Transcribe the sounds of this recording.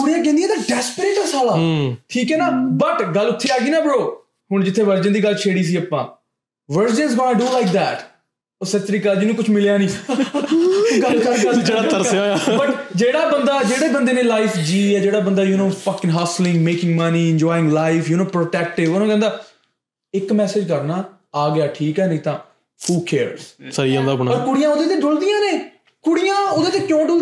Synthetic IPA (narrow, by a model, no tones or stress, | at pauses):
t͡ʃʰʊːɽ̃ijãːkɛ̃ːnd̪ijɛ̃d̪əɖɛːspəɾeːʈəsaːlaːʈʰiːkɛːnaːbəʈɡəlːʊt̪ʰːeːaːɡiːnãːbəɽoː | hʊɳd͡ʒɪt̪ʰːeːʋəɾd͡ʒənd̪iːɡəlt͡ʃʰeːɽiːs̬iːəpːãː | ʋəɾd͡ʒə̃nzɡɔːnaɖuːlaɪk̚d̪ɛːʈ | oːsət͡ʃɾiːkəld͡ʒɪnũːkʊt͡ʃʰmɪljaːnĩː | ɡəkəlɡəd͡ʒeːɽaːt̪əɾaːjaːbəʈd͡ʒeːɽaːbənd̪aːd͡ʒeːɽeːbənd̪eːnẽːlaːɪfd͡ʒiːɛːd͡ʒeːɽaːbənd̪aːjunoːfəkɪ̃ŋɡɦaːslɪ̃ŋɡmeːkɪ̃ŋɡməniːɪ̃nd͡ʒɔːjɪ̃ŋɡlaːɪfjunoːpɾoːʈɛːk̚ʈɪʋoːnãːkɛ̃ːnd̪aː | ɪkmɛːsɪːd͡ʒkəɾnaː | aːɡɪaːʈʰiːkɛːnɪt̪ãː | fuːkʰeːɾzsəɾiːãːnd̪aːbəɳ̃ɔːɾkʊɽɪjãːod̪eːt̪eːɖʊld̪ɪjãːneː | kʊɽɪjãːod̪eːt̪eːkjõːɖʊl